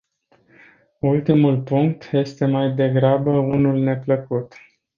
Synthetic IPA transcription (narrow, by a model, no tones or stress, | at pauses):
ult̪imulpuŋk̚t̪je̞st̪e̞majd̪e̞ɡɾabəunulne̞pləkut̪